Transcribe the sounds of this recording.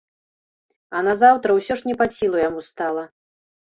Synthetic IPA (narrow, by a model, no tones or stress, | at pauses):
ɐnazawt̪ɾɐwsʲɔʂnʲɛpasʲilˠujamust̪alˠɐ